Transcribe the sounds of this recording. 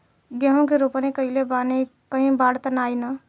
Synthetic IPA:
ɡeɦõkeɾopnekəɦilebanikəɦĩbaɽt̪ənajnə

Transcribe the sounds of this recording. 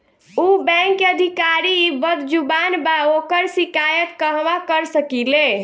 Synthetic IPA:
ubɛ̃ŋkəd̪ʱikaɾibəd̪d͡ʒubanbaokəɾsikajət̪ːəɦʋakəɾsəkile

